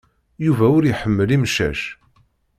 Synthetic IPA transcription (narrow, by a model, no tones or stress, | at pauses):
juvæʊɾjħəmːəlimʃæ̰ʃ